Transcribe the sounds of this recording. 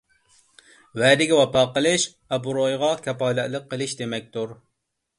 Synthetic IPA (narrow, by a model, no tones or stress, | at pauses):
wɛd̪ɪɡʲɛwɑpɑːqəlˠɨʃ | ɑbuɾojʁɑkʲʰɛpɑːlæt̪lˠəqːəlˠɨʃd̪emɛk̚ʲt̪uɾ